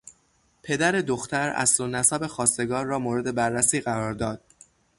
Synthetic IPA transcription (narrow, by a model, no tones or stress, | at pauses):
pʰe̞d̪æɾe̞d̪oxt̪æɾæ̰slonæsæbe̞xɒːst̪e̞ɡɒːɾːɒːmoːɾe̞d̪e̞bæɾːæsiːɣæɾɒːɾd̪ɒːd̪̥̚